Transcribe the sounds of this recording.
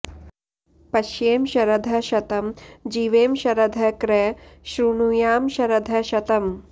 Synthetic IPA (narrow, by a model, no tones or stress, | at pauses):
pɐʃjeːmʃɐɾɐd̪ʱɐʃɐt̪ɐmd͡ʒiːʋeːmʃɐɾɐd̪ʱɐkɾeʃɾunujaːmʃɐɾɐd̪ʱɐʃɐt̪ɐm